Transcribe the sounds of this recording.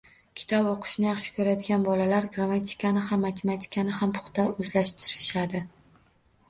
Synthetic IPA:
kʲʰɪ̥t̪ʰɒboqʰʊ̥ʃnɪjɑχʃɪ̥kʰɵɾad̪ɪɡʲanbɒlalaɾɡɾamat̪ʰi̥kʰanɪɦamːat̪ʰemat̪ʲʰi̥kʰanɪhampʰʊ̥χt̪ʰaɵzlaʃt̪ʰɪɾɪʃad̪ɪ

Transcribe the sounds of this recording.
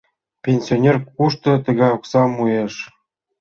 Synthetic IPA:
pʲenʲsʲionʲerkuʃt̪ɤ̆t̪ɤ̆ɣɑjoksɑmujeʂ

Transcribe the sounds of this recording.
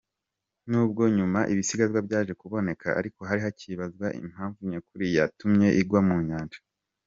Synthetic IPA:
nuːb̚ɡo̞ɲumaʔiβisiɡazɡwabɟaːʒe̞kuβo̞ne̞kʰa̰ʔa̰ɾiko̞ɦaɾiɦaciβazɡwaʔḭm̥haːɱvuɲekuɾijatumɲe̞ʔiɡwamuːɲaːnd͡ʒḁ

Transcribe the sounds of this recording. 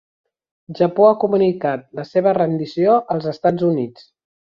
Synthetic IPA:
ʒəpoakumunikat̪̚ləseβərənd̪isioʔəlˠzəst̪ad͡zunit͡s

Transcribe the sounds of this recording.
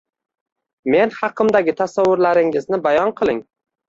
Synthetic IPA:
me̞nhɑqʰɨmd̪aɡʲɪt̪ʰasawːʊɾlaɾɪŋɪznɪbajɒnqʰɨlˠɪŋ

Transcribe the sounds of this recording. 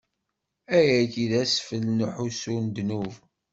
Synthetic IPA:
æjækiðæsfəlnəħusund̪nuv

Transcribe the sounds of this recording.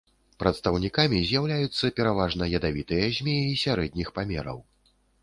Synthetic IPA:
pɾɐt̪st̪ɐwnʲikamʲizʲjawlʲajut̪sːɐpʲɛɾavaʐnɐjɐd̪avʲit̪ɨjɐzʲmʲɛisʲaɾɛd̪̚ʲnʲixpamʲɛɾɐ̰w

